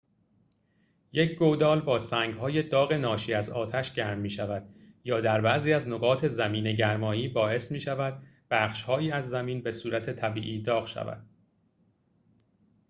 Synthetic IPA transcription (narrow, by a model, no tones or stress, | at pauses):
jecʰɡod̪ɒːlbɒːsæːŋɡɦɒːje̞d̪ɒːɣe̞nɒːʃiːæzɒːt̪ʰæʃɟæɾmːiːʃævæd̪̥jɒːd̪æɾbæʔziːæznoɣɒːt̪ʰe̞zæmiːne̞ɟæɾmɒːiːbɒːe̞smiːʃævæd̪̥̚b̥æːχʃhɒːjiːæzːæmiːnbe̞suːɾæt̪ʰe̞t̪ʰæbḭːʔiːd̪ɒːɣʃæ̰væ̰d̪̥̚